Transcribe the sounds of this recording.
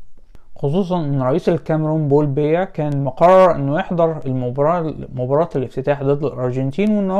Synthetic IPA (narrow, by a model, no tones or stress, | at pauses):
xos̬ˤuːs̬ˤɑnʔenːɾˤɑʔiːsælkæmɾuːnbolbejækæːnmoqɑrˤːɑɾˤʔenːojeħd̪ˤɑɾˤl | mobɑɾˤɑːt̪ælɪft̪ɪt̪aːħd̪ɑːd̪ɑlʔɑɾˤɡent̪iːnwnː